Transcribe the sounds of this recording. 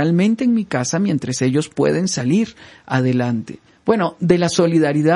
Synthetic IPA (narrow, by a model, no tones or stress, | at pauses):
almẽ̞nt̪e̞ːŋmikasamje̞nt̪ɾese̞ʝo̞spwe̞̰ðe̞nsaliɾaðe̞lant̪e̞̥̰ | b̥we̞no̞ðe̞laso̞liðaɾiða